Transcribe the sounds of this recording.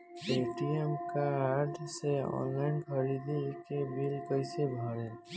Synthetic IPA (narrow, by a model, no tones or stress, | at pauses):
eʈiemkaːɾʈʰseɔ̰̃nlaɪnɖkʰəɾid̪ikebilkəɪsebʱɔɾe